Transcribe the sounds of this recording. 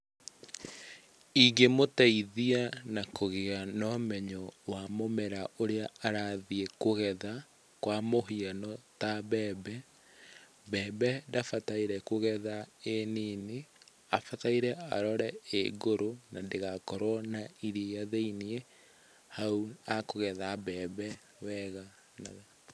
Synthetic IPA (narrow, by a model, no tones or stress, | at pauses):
iɡemotɛiðianakoɣeanɔmɛɲɔwamomɛɾaʔoɾeaaɾaðiekoɣɛða | kwamoɦianɔtabɛːbɛ | bɛbɛdafataiɾɛkoɣɛðaenine | afataiɾɛa̰ɾɔɾɛeɡoɾonandeɣakɔɾwɔnaiɾeaðeinie | hauakoɣɛðabɛbɛ | wɛɣa | na